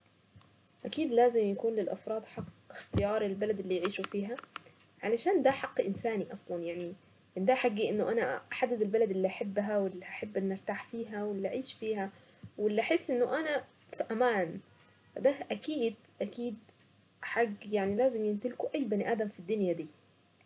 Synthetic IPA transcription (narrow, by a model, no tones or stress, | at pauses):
ʔækiːd̪læːzɪmjakuːnlɪlʔa̰fɾˤɑːd̪ˤħɑqːɪxt̪ɪjɑːɾˤelbælæd̪ʔelːiːjʕiːʃufiːɦæ | ʕalæʃaːnd̪æħɑqːʔɪnsaːniʔɑsˤlɑnjaʕni | ʔɪnd̪æħaɡːiʔɪnːʊʔænæʔaħad̪ːɪd̪elbælæd̪ʔelːiːʔaħabːɦæwɪlːiʔaħabːʔɪnːʔaɾt̪aːħfiːɦæwɪlːiːʔaʕiːʃfiːhæ | wɪlːiʔaħesːʔɪnːʊʔænæ | fiʔæmaːn | fæd̪æʔækiːd̪ | ʔækiːd̪ | ħaɡːjaʕnilæːzɪmjɪnt̪ɪlkoʔæjːbɪniʔæːd̪æmfid̪ːʊnjæd̪iː